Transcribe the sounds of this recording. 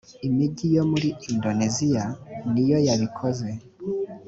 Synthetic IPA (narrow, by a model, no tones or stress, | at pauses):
imiɟijo̞muɾiindo̞nezijanijo̞jaβikʰoze̞